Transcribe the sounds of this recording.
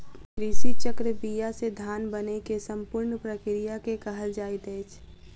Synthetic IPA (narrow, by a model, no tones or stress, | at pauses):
ɾiːsit͡ʃəkɾəbijased̪ʱaːnbənekesə̃mpʊɾnpɾəkɾijakekəɦəld͡ʒaːɪt̪ɛɪt͡ʃʰ